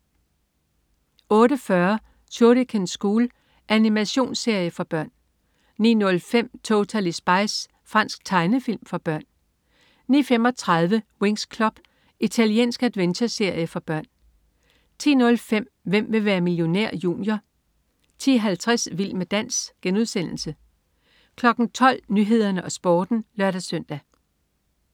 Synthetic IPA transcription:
ɔ̽ːɾəfɶɐ | ɕʰoːɾəkʰensɡ̥uːl | ʔænimæɕo̝̰ːnse̝ɐ̰jəfɒ̽b̥ɶɐ̰nː | iːnɔ̽lfem̰t͡sʰot͡sʰælisb̥ɑ̈ɪs | fʁɑ̈n̰sɡ̥̚t͡sʰɑ̈ɪnəfilmfɒ̽b̥ɶɐ̰nː | iːfemɒ̽t͡sʰʁɑ̈ðˠʋəwe̝ŋskʰlɒ̽b̥ | it͡sʰælie̝̰ːnsɡ̥æd̥ˠʋent͡ɕʰɐse̝ɐ̰jəfɒ̽b̥ɶɐ̰n | t͡sʰḭːnɔ̽lfem̰ | ʋem̰ʋe̝ʋæːɐmiljo̝næɐ̰jṵːnjɐ | t͡sʰḭɦælt͡sʰʁasʋil̰med̥æn̰sɡ̥enuð̞ˠsen̰l̩sə | kʰlɒ̽ɡ̥n̩t͡sʰɒ̽l̰nyɦe̝ð̞̰ˠɐnəʔɒ̽sb̥ɒːd̥n̩lɶɐ̰ɾ̥æsœn̰d̥æ

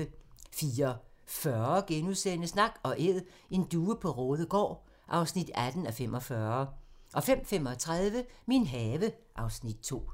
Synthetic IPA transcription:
əfiːɒfɶɐɐɡ̥enuðˠsenəsnɑ̈ɡ̥ɒ̽ʔeð̰ˠ | e̝nd̥uːəpʰɒ̽ʁɔ̽ːð̞ˠəɡ̥ɒ̰ː | ʔɑ̈ʊsnid̥æd̥n̩æfem̰ʔɒ̽fɶɐʔɒ̽fem̰fem̰ɒ̽t͡sʰʁað̞ˠʋəminɦɛːʋə | ʔɑ̈ʊsnid̥̚t͡sʰo̝̰ː

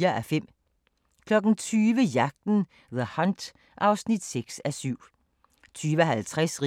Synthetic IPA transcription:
ɐʔæfem̰ | kʰlɒɡ̥n̩t͡sʰyːʋəjɑɡ̥̚d̪̥n̩ | ðəhɑnd̪̥ | ʔɑʊsnid̪̥seɡ̥sæsyʊ̰ | t͡sʰyːʋəɦælt͡sʰʁɛsʁ

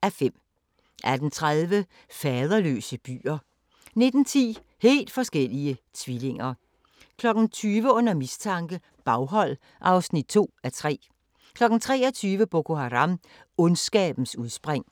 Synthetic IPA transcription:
æfem̰ | ʔæd̥nt͡sʰʁaðˠʋə | fɛːð̞ˠɐlø̰ːsəb̥y̰ːɐ | ne̝d̥n̩t͡sʰḭː | he̝̰ːld̥fɒ̽sɡ̥el̰iət͡sʰʋile̝ŋɐ | kʰlɒ̽ɡ̥n̩t͡sʰyːʋəɔ̽n̰ɐmist͡sʰɑ̈ŋɡ̥ə | b̥ɑ̈ʊɦɒ̽l̰ | ʔɑ̈ʊsnid̥̚t͡sʰo̝̰ːæt͡sʰʁɛ̰ː | kʰlɒ̽ɡ̥n̩t͡sʰʁɛ̰ːɒt͡sʰyːʋəb̥o̝kʰo̝ɦɑʁɑ̈m | ɔnsɡ̥ɛ̰ːb̥n̩suð̞ˠsb̥ʁeŋ̰

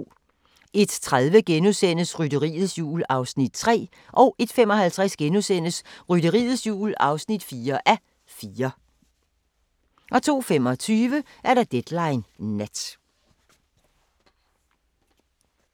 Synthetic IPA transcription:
e̝d̥t͡sʰʁaðˠʋəɡ̥enusen̰əsʁydəʁḭːð̩ˠsjṵːlɑ̈ʊsnid̥t͡sʰʁɛ̰ː | ʔɒ̽ʊʔe̝d̥fem̰ɒ̽ɦælt͡sʰʁɛsɡ̥enusen̰əsʁyɾəʁḭːð̩ˠsjṵːlɑ̈ʊsnid̥fiːɐʔæ | fiːɐ | ʔɒ̽t͡sʰo̝̰ːfem̰ɒ̽t͡sʰyːʋəʔæɐɾɑ̈d̥ed̥lɑ̈ɪnːed̥

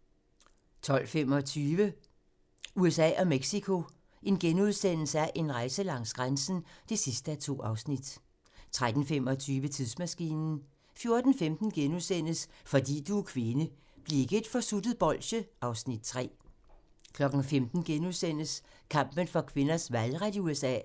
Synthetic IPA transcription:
t͡sʰɒ̽l̰fem̰ɒt͡sʰyːʋə | uesɛ̰ːɒ̽meɡ̥sikʰo̝ | e̝nɡ̥enuð̞ˠsen̰l̩səæɐʔe̝nʁɑ̈ɪsəlɑ̈ŋ̰sɡ̥ʁansn̩d̥e̝sisd̥əæt͡sʰo̝̰ːɑ̈ʊsnid̥ | t͡sʰʁad̥n̩fem̰ɒ̽t͡sʰyːʋət͡sʰiðˠsmæsɡ̥ḭːnn̩ | fjo̝ɐd̥n̩femd̥n̩ɡ̥enuðˠsen̰əsfɒ̽d̥ḭːd̥ukʰʋe̝nə | b̥leeɡ̥əe̝d̥fɒ̽sud̥ð̩ˠb̥ɒ̽l̰ɕəʔɑ̈ʊsnid̥̚t͡sʰʁɛ̰ː | kʰlɒ̽ɡ̥n̩femd̥n̩ɡ̥enuðˠsen̰əskʰɑ̈m̰b̥ənfɑkʰʋe̝nɐsʋælʁad̥iuesɛ̰ː

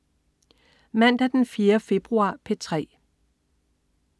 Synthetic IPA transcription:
mæn̰d̥æd̥enfiːɐfe̝b̥ʁuɑ̰̈ːpʰe̝t͡sʰʁɛ̰ː

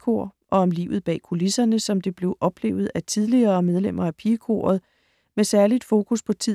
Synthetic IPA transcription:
kʰo̝̰ːʔɒ̽ɒ̽mlḭːʊð̞̩ˠb̥ɛ̰ːkʰo̝lisɐnəsɒ̽md̥e̝b̥le̝ʊʔɒ̽b̥le̝̰ːʊð̞̩ˠæt͡sʰið̞ˠliɐːmeð̞ˠlem̰ɐæpʰiːkʰo̝̰ːɐð̞̩ˠ | mesæɐlid̥fo̝ːkʰuspʰɒ̽t͡sʰið

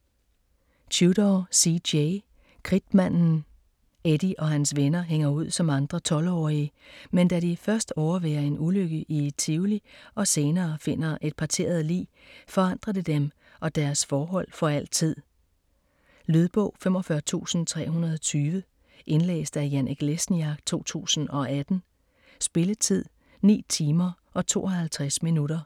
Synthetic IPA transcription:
t͡ɕʰud̥ɒsie | kʰʁid̥mæn̰n̩ | ed̥iʔɒ̽ɦænsʋenɐɦeŋ̰ɐuð̞̰ˠsɒ̽mɑ̈nd̥ʁɐt͡sʰɒ̽lɒ̰ːiəmend̥æɾifɶɐsd̥ɒʊɐʋeɐe̝nuløɡ̥əʔie̝d̥̚t͡sʰiʊliʔɒ̽se̝ːnɐːfe̝n̰ɐʔe̝d̥̚pʰɑ̈t͡sʰe̝̰ːɐð̞ˠlḭː | fɒ̽ɑ̈n̰d̥ʁɐd̥e̝d̥em | ʔɒ̽d̥æɐsfɒːɦɒ̽l̰fɒ̽æl̰̥t͡sʰið̰ˠ | lyð̞ˠb̥ɔ̰̽ʊ̰femɒfɶɐt͡sʰṵːsn̩t͡sʰʁɛ̰ːɦunɐð̞ˠɒ̽t͡sʰyːʋə | ʔe̝nlḛːsd̥æjænʔeɡ̥lesn̩ɑ̈ɡ̥t͡sʰo̝̰ːt͡sʰṵːsn̩ɒ̽æd̥n̩ | sb̥e̝lət͡sʰið̰ˠ | nḭːt͡sʰiːmɐʔɒ̽t͡sʰo̝̰ːʔɒ̽hælt͡sʰʁasminudɐ

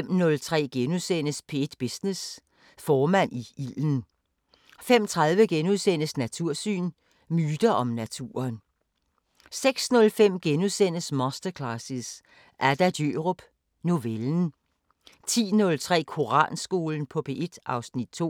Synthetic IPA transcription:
m̰nɔ̽lt͡sʰʁɛ̰ːɡ̥enusen̰əspʰe̝d̥b̥isnes | fɒːmæn̰iiln̩ | fem̰t͡sʰʁɑ̈ðˠʋəɡ̥enuðˠsen̰əsnæt͡sʰuɐ̰sy̰ːn | myːd̥ɐʔɒ̽mnæt͡sʰṵːɐn | seɡ̥snɔ̽lfem̰ɡ̥enusen̰əsmɒ̽sd̥ɐkʰlɑsis | ʔæɐd̥æd̥jøʁob̥ | no̝ʋeln̩ | t͡sʰḭːnɔ̽lt͡sʰʁɛ̰ːkʰo̝ʁɑ̰̈ːnsɡ̥o̝ːln̩pʰɒ̽pʰe̝ʔe̝d̥ʔɑ̈ʊsnid̥̚t͡sʰo̰

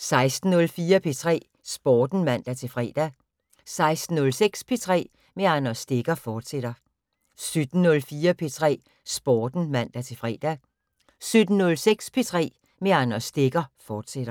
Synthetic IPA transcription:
sɑ̈ɪsd̥n̩nɔ̽lfiːɐpʰe̝t͡sʰʁɛ̰ː | sb̥ɒːd̥n̩mæn̰d̥æt͡sʰe̝fʁɛ̰ːd̥æ | sɑ̈ɪsd̥n̩ːɔ̽lseɡ̥spʰe̝t͡sʰʁɛ̰ː | meɑ̈nɐsd̥e̝ɡ̥ɐfɒːd̥sed̥ɐ | sød̥n̩nɔ̽lfiːɐpʰe̝t͡sʰʁɛ̰ː | sb̥ɒːd̥n̩mæn̰d̥æt͡sʰe̝fʁɛ̰ːd̥æ | sød̥n̩nɔ̽lseɡ̥spʰe̝t͡sʰʁɛ̰ː | me̝ɑnɐsd̥e̝ɡ̥ɐfɒːd̥sed̥ɐ

